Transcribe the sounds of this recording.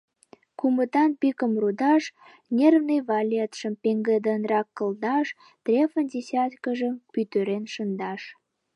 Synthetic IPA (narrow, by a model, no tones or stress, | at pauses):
kumət̪ɑnpikəmrud̪ɑʃ | nʲervnəjvɑlʲet̪ʃəmpeŋɡəd̪ənrɑkːə̆ld̪ɑʃ | t̪rʲefənʲdʲesʲɑt̪kəʒəmpyt̪øɾenʃənd̪ɑʃ